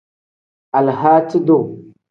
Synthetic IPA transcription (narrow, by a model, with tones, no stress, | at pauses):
a˨lha˦ti˦do˦˨